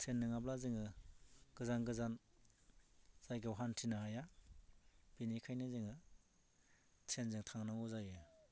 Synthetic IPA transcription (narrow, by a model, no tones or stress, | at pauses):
sʰenːɯŋablazɯŋɯɡ̥ɯzanɡɯzan | z̥ajɡɯwɦantʰinaɦaja | b̥inikʰajnɯzɯŋɯ | sʰenzɯŋtʰaŋnaŋuzajɯ